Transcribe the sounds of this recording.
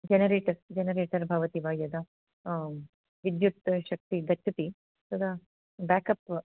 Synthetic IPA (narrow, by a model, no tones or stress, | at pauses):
d͡ʒenɐɾeːʈɐɾd͡ʒenɐɾeːʈɐɾbʱaːʋɐt̪iʋaːjɐd̪ɐ | ʋid̪jut̪ʃɐk̚t̪iɡɐt͡ʃʰːɐt̪i | sɐd̪a | baːkɐp